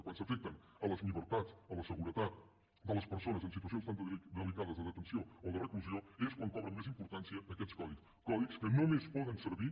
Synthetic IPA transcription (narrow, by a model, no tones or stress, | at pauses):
kwansəfɛk̚t̪ən | ələzliβəɾt̪at͡sələsəɣuɾət̪at̪̚ | d̪ələspəɾsonəzəns̬it̪uəsionst̪and̪əlikaðəzðəðət̪ənsiooðərəkluzioeskwaŋkɔβɾəmːezimpuɾt̪ansiəːkɛskɔðiks | kɔðikskənomespɔðənsəɾβi